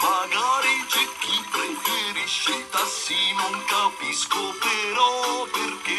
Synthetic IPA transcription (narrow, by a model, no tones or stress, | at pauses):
maɡaːɾit͡ʃɛk̟ːipːɾefeɾiʃːet̪asːinoŋkapiskopeɾɔperke